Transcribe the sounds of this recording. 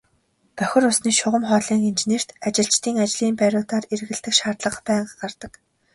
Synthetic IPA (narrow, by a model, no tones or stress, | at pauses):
pœxʲɪ̆rʊsniːʃʊʁə̆mχɔːɮiːŋint͡ɕeneːr̥t̪at͡ɕɪ̆ɬt͡ɕt̪ʰiːŋat͡ɕɮiːmpæɾʲʊːt̪aːrerɣɘ̆ɮt̪ɘ̆kʃaːrt̪ɮə̆qpæːɴɢart̪ə̆k